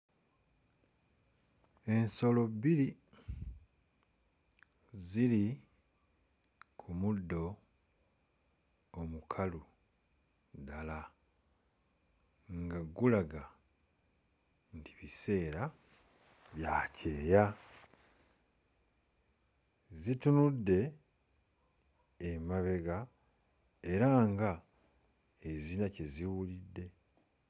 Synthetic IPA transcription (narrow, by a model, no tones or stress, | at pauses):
e̞nso̞lo̞biɾi | ziɾi | kʰumudːo̞ | omukʰalu | dala | ŋɡaɡulaɡa | ndiβise̞ːɾa | βjaːce̞ːja | zitunudːe̞ | maβe̞ɡa | e̞ɾaŋɡa | ezinace̞ziwulidːe̞